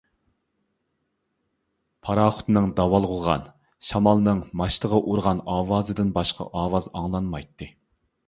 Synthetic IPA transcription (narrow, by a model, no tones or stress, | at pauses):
pʰɑɾɑːχʊ̥t̪nɨŋd̪ɑwɑlˠʁʊʁɑ̰n | ʃɑmɑlˠnɨŋmɑʃt̪əʁɑʔuɾʁɑnɑːwɑːzɨd̪ɪnbɑʃqʰɑ̰ʔɑːwɑzɑŋlˠɑnmɑjt̪ʰːɨ